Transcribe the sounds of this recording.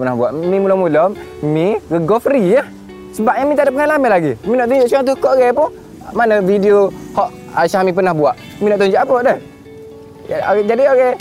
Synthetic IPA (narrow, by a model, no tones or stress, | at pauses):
pənahbuaʔmimulɔmulɔmmiɡəɡɔfɾia | səbap̚ɲamĩt̪adaʔp̬ːəŋalamanlaɡiminɔʔt̪̬uɲd͡ʒɔʔsaŋt̪̬ukɔʔɡɛpʊn | manəvidiohɔʔ | aʃamip̬ənahbuaʔ | minɔʔt̪̬uɲd͡ʒɔʔapəʔdɛh | d͡ʒadioɣɛ